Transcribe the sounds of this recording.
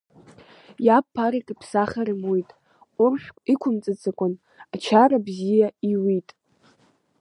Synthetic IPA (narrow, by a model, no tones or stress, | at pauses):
japʰːaɾikʼipʰsaχaɾɨmojtʼ | ʊrʃʷᶣkʷʼikʷʰʊmt͡sʼɨt͡sakʷʼʊn | at͡ʃʰaɾabzijaiwitʼ